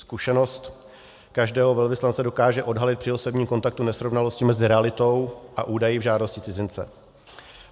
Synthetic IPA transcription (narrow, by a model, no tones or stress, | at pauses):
skuʃɛno̞st̪ | kaʒdɛːɦo̞vɛlvɪslant͡sɛdo̞kaːʒɛʔo̞dɦalɪt̪pr̥ɪosɛbɲiːmko̞nt̪ak̚t̪unɛsɾo̞vnalo̞scɪmɛzɪɾɛalɪt̪o̞wʔaʔuːdajɪvʒaːdo̞scɪt͡sɪzɪnt͡sɛ̰